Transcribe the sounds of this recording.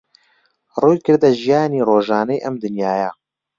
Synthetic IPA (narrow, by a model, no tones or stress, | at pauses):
ruːjkɨɾd̪ɐʒijaːniːroːʒaːnɐjʔɐmd̪ɨnjaːja